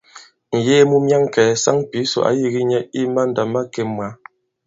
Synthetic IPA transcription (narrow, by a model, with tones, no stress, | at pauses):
n̩˨jeː˦mu˦mja˦ŋ˨kɛ˨sa˦ŋpi˨˦so̰˨ʔa̰˨˦ji˦ɣi˦ɲɛ˦i˦ma˦n˦da˨ma˦ke˨mwa˨˦